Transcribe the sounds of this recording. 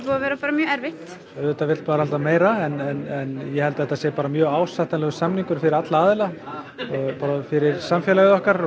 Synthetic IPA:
puavɛːɾapaːɾamjœːɛɾvɪht̪ | œðɛt̪avɪt̪paːɾhalt̪ameːjɾaɛnɛnɛnjɛhɛlt̪aɛht̪aðsɛːpaːɾamjœːɣaːwsaht̪anlɛɣʏsamniŋkʏɾ̥fɪɾɪɾat̪laaːðɪla | ɔɣpaːɾafɪɾɪɾ̥samfjɛlaɣɪðɔhkaɾ

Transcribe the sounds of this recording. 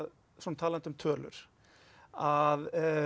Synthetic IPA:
ð | sɔnt̪ʰaːlant̪ʏmt̪ʰœːlʏ̰ɾ̥ | að

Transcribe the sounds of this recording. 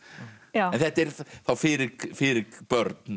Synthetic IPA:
jaɛnθɛt̪ɛɾθawfɪɾɪɡfɪːɾɪɡb̥œɾt̪n

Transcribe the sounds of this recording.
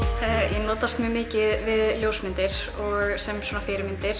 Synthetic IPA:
jɛnɔːt̪ast̪mjəmɪːcɪðvɪðljoːwsmɪnt̪ɪɾ̥ | ɔɣsɛmsɔːnafɪːɾɪmɪnt̪ɪɾ̥

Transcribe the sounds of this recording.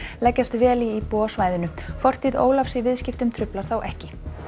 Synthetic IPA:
lɛcːast̪vɛːliːpɔːsvaːjðʏnʏfɔr̥t̪ʰiðo̰ːwlafsivɪðscɪft̪ʏmt̪ʰɾʏplaɾ̥θawʔɛhcɪ

